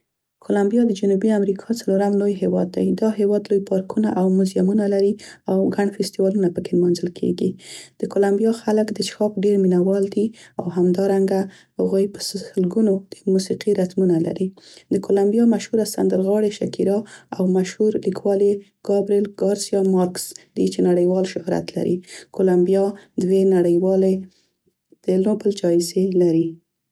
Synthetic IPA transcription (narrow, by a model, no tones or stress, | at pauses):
kʰolambijɑd̪əd͡ʒʊnubiamɾikʰɑt͡saloɾamlojɦewɑd̪ːa̰jd̪ɑɦewɑd̪lojpɑɾkʰunaʔawmʊzjamunalaɾiawɡaɳfɪst̪iwɑlunapəkelmɑnzəlkʰḛɡid̪̥əkolambijɑxaləkd̪əʃxɑpɖeɾminawɑld̪iawɦamd̪ɑɾaŋɡa | haɣujpə̥ssəlɡunod̪̥əmusiqiɾat̪munala̰ɾid̪əkolambijɑmaʃhuɾasand̪əlɣɑɽeʃakiɾɑawmaʃhuɾlikwɑli | ɡ̥ɑbɾelɡ̥ɑɾsijɑmɑɾksd̪it͡ʃenaɽəjwɑlʃʊhɾa̰t̪la̰ɾḭkolambijɑd̪wenaɽəjwɑle | d̪̥əlobəld͡ʒɑɪzelaɾi